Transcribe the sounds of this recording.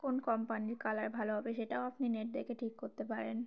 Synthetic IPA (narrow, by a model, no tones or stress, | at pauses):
konkɔmpanikalaɾbʱaloɦɔbeʃeʈaoapnineɾd̪ekeʈʰikːoɾt̪epaɾen